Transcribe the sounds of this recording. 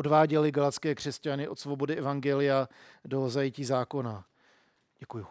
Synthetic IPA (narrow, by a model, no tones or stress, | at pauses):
odvaːɟɛlɪɡalat̪t͡skɛːkr̝̥ɛscanɪʔo̞t̪svo̞bo̞dɪɛvaŋɡɛlɪjado̞zajɪciːzaːko̞na | ɟɛkuju